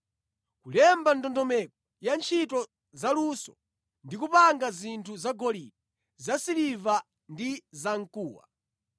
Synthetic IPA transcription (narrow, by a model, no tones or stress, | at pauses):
kulɛmbandɔndɔmɛk̚ɔ | jant͡ʃʰitɔ | zalusɔ̰ | ndik̬upaŋɡazintʰuzaɡɔlidi | zasiliva | ndizaŋ̩kuːwa̰